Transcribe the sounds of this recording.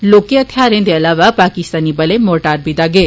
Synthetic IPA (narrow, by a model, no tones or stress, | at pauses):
loːkeɐt̪ʰjaːɾend̪eɐlaːʋapaːkist̪anibɐlemoːʈaːɾbid̪aːɡe